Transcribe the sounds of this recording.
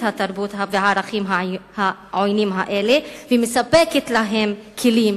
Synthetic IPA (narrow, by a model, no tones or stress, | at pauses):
t̪hat̪aɾbut̪ɦaveaɾaχimɦahaʕojnimɦaʔelevemesapeket̪laɦe̞mkʰelim